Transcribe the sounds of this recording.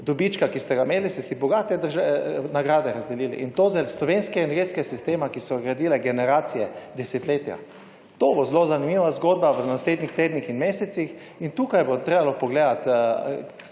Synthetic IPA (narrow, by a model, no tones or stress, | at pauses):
d̪ɔbit͡ʃkakist̪ɛɡameːlist̪ɛsibɔɡaːt̪ɛd̪əɾʒanaɡɾaːd̪ɛɾazd̪ɛliːlḭʔint̪oːzɛlslɔʋenskɛɛnɛɾɡet̪skɛasist̪eːmakisɔɡɾad̪iːlɛɡɛnɛɾaːt̪sijɛd̪ɛset̪leːt̪ija̰ | t̪oːbozlozanimiːʋazɡoːd̪̚baʋənasleːd̪nʲixt̪eːd̪nixinmeːsɛt̪six | int̪uːkajbot̪ɾeːbalɔpɔɡleːd̪at̪